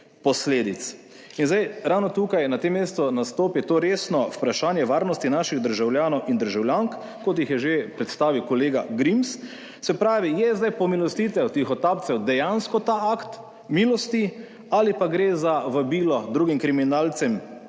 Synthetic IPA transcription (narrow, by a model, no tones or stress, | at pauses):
pɔsleːd̪it̪s | inzd̪ajɾawnɔt̪uːkajnat̪emːeːst̪ɔnast̪oːpit̪oːɾeːsnɔwpɾaʃaːnjɛʋaːɾnɔst̪inaːʃiɣd̪əɾʒawljaːnɔwʔind̪əɾʒawljaŋk | kɔt̪̬jixjɛʒepɾɛt̪st̪aːʋiwkɔleːɡaɡɾims | sɛpɾaːʋijɛzd̪ajpɔmilɔst̪it̪ɛwt̪ixɔt̪aːp̪̚sɛwd̪ɛjanskɔt̪aakt̪ | miːlɔst̪i | alipaɡɾezaʋəbiːlɔd̪ɾuːɡimkɾiminaːlt̪sɛm